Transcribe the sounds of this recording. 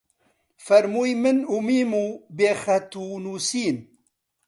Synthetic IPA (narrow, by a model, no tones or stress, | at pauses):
fɐɾmuːjmɨnumiːmuːbeːxɐt̪uːnuːsiːn